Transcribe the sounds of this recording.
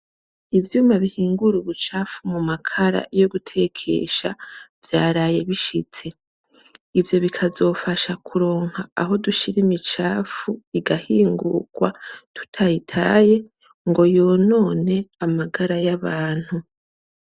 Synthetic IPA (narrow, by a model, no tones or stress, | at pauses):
ivjuːmaβihiːŋɡuɾuβut͡ʃaːfumumakʰaɾa̰jo̞ɡutʰe̞kʰe̞̰ʃavjaːɾaːje̞βiʃit͡se̞ | ivjo̞βikʰazo̞ːfaʃakʰuɾo̞ːŋ̥haːɦo̞duʃiɾimit͡ʃaːfuiɡahiːŋɡṵɡ̥watu̥tʰajitʰa̰ːje̞ | ŋɡo̞jo̞no̞ːne̞amaɡaɾajaβaːn̥hu